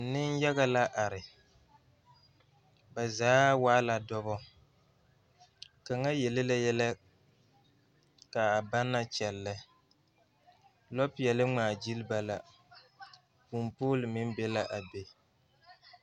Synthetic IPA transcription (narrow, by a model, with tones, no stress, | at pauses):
nɪ˦n˦jɛ˦ɣa˦la˦ʔa˨ɾɪ˨ | ba˨zaː˨˦waː˦la˨dɔ˦βɔ˦ | ka˨ŋa˦jɛ˨lɪ˦la˦jɛ˦la˦ | ka˨a˨ba˦nːa˦t͡ʃɛ˨lːɪ˦ | lɔ˦pɪ˨ɛ˨lɪ˦ŋ͡maː˨d͡ʒi˦lɪ˦ba˨la˨ | pu˨mpoː˦lɪ˨mɪ˦n˦be˦la˦ʔa˨be˦